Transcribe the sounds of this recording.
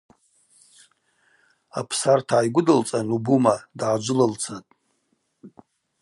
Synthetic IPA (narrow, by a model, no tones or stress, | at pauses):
a̰pʰsartʰaːjɡʷʊdɨlt͡sʼanubumadʕad͡ʒʷʊlɨlt͡sʰatʼ